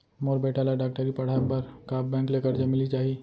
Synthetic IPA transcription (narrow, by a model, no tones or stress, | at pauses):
moːɾbeːʈalaɖaːk̚ʈəɾipɐɽ̤aːpɐɾkaːbbɛ̃ːŋkleːkəɾd͡ʒamɪlit͡ʃaːɦieː